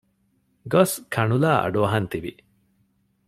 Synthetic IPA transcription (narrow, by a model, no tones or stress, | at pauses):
ɡɔskʰaɳulaːa̰ɖoaɦant̪ibi